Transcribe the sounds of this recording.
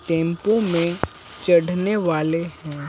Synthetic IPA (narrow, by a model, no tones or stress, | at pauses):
ʈẽːmpõmẽ | t͡ʃɐɽneʋaːlehɛ̃ː